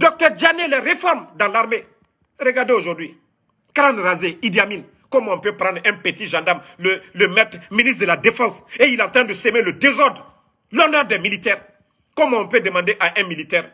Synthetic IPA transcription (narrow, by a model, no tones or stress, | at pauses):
d̪ɔk̚t̪œʁdjanelɛʁefɔʁmd̪ɑ̃laʁme | ʁəɡaʁd̪eoʒuʁd̪wi | kɾãnʁazeid̪jamin | kɔmɔ̃pøpɾɑ̃d̪ʁɛ̃pət̪iʒɑ̃d̪aʁmlələmɛt̪minist̪dəlad̪efɑ̃seilɑ̃t̪ʁɛ̃d̪əsemeləd̪ezɔʁd̪ʁ | lɔnœʁd̪ɛmilit̪ɛːʁ | kɔmɔ̃pød̪əmɑ̃d̪eʔaʔɛ̃milit̪ɛːʁ